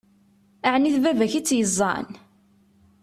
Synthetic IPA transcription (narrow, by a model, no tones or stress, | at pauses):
æʕniθvævæçit͡sːjəzˤːɑ̰n